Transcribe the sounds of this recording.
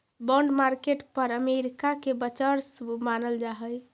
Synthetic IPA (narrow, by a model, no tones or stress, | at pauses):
bɔ̃ɳɖmaɾkeʈpəɾəmeɾikakebət͡ʃəɾsbumanəld͡ʒaɦəj